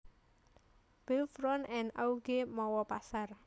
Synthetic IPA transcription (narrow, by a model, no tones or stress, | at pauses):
b̥elfɾɔnɛnauɡemɔwɔpasar